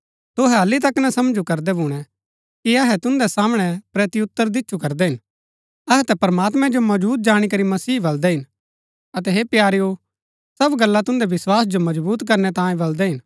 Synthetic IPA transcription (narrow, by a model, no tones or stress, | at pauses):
t̪ʊɦɛɦɐlːit̪̬ɐknɛ̃sɐmd͡ʒukɐɾd̪ɛbuːɽ̃ɛ | kiɐɦɛt̪ʊ̃nd̪ɛsaːmɽ̃ɛpɾeːt̪iʊt̪ːəɾd̪ɪt͡ʃːʃʰukɐɾd̪ɛɦɪn | ɐɦɛt̪ɛpɐɾɐmaːt̪mɛ̃d͡ʒomɐbuːt̪̚d͡ʒaːɽ̃ikɐɾimɐsiːbɐld̪ɛɦɪn | ɐt̪ɛɦepjaːɾijo | sɐbɡɐlːat̪ʊ̃nd̪ɛʋɪswaːsd͡ʒomɐd͡ʒbuːt̪kɐɾnɛt̪ãːjẽbɐld̪ɛɦɪn